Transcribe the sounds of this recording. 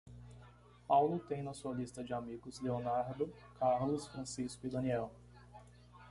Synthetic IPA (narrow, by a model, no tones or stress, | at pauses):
pawlʊt̪ẽj̃nɐsuɐlist̪ɐd͡ʒɪamiɡʊzleonaɾd̪ʊ | kaɾlʊsfɾɐ̃siskʊɪd̪ɐ̃niɛw